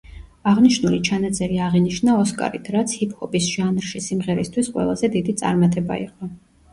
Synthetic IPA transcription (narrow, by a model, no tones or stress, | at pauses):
aʁniʃnulit͡ʃʰanat̪sʼɛɾiaʁiniʃnaɔskʼa̰ɾit̪ʰɾat̪sʰhipʰhɔbisʒ̥anɾʃisimʁɛɾist̪ʰwisqʼwɛ̰lˠazɛd̪id̪it̪sʼa̰ɾmat̪ʼɛba̰ḭqʼɔ